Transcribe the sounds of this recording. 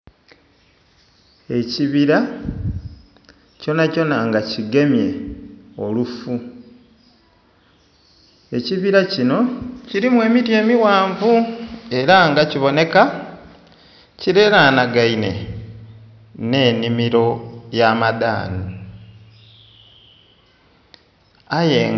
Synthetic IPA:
e̞ciβiɾa | co̞naco̞naŋɡaciɡe̞mje̞olufu | e̞ciβiɾacino̞ciɾimwe̞ːmiɾje̞ːmiwaːɱvue̞ɾaŋɡaciβo̞ne̞ka | ciɾeɾanaɡaine̞̰ | ne̞ːnimiɾo̞jamada̰ːnu | aje

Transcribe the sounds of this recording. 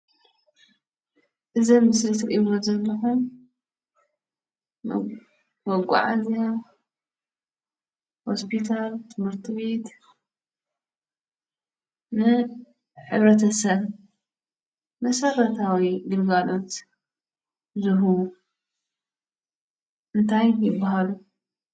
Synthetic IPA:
ʔɨzɐmːɨslɨt̪ʰɨɾʔiβozɐlːɐħum | wɔɡʷʼa̰ʕa̰zija | hospʰit̪ʰalt̪ʰɨmɨɾt̪ʰɨβe̞t̪ | nɨ | ħɨβɾɐt̪ʰɐsɐβ | mɐsɐrɐt̪ʰawiɡɨlɡalo̞t̪ | zɨɦu | ʔɨnt̪ʰajjɪbːaɦalu

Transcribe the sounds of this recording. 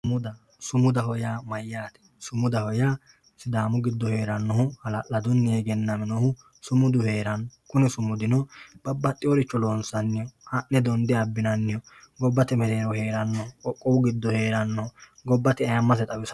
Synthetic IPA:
mʊd̪ɐ | sʊmʊd̪ɐɦɔjaːmɐjːaːt̪ɛ̥ | sʊmʊd̪ɐhɔjaː | sɪd̪aːmʊɡɪd̪ːɔhe̞ːɾɐnːɔɦʊhɐlɐʔɐd̪ʊnːɪjɛɡɛnːɐmɛnɔhʊ | sʊmʊd̪ʊhe̞ːɾɐnːɔkʊnɛsʊmʊd̪ɪnɔb̥ɐbːɐt̪ʼːɪɔɾɪt͡ʃːɔloːnsɐnːɪjɔhɐʔnɛd̪ɔnd̪ɪɐbːɪnɐnːɪjɔɡɔbːɐt̪ɛmɛleːɾɔhe̞ːɾɐnːɔhʊɔkʼːɔwʊɡɪd̪ːɔhe̞ːɾɐnːɔʊ | ɡɔbːɐt̪ɪɐjɐmːɐs̬ɛt̪ʼɐwɪs

